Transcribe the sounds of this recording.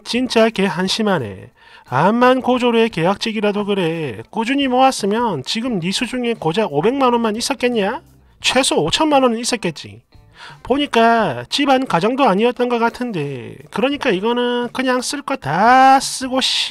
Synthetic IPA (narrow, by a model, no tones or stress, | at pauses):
t͡ɕint͡ɕ͈akeɦanɕʰimanḛ | amːankod͡ʑoɾueke̞ak̚t͡ɕ͈iɡiɾadokɯɾe̞k͈ud͡ʑuɲimowas͈ɯmjʌnt͡ɕiɡɯmnisʰud͡ʑuŋe̞kod͡ʑaobe̞ŋmanonmanis͈ʌt̚k͈e̞nɲa | t͡ɕʰwe̞sʰoot͡ɕʰʌnmanʌnɯnis͈ʌt̚k͈e̞t̚t͡ɕ͈ḭ | poɲik͈at͡ɕibankad͡ʑʌŋdoaɲiʌt̚t͈ʌnɡʌk͈atʰɯnde̞kɯɾʌɲik͈aiɡʌnɯnkɯɲaŋs͈ɯɭk͈ʌtas͈ɯɡoɕʰi